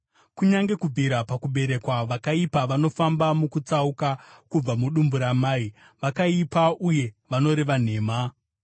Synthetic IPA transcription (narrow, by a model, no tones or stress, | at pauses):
kuɲaŋɡe̞kubʱiɾapakuɓe̞ɾe̞kwaʋakaipaʋano̞fambamukut͡saukakub͡vamuɗumbuɾamaːi | ʋakaipaʔuje̞ʋano̞ɾeʋan̤e̞ːma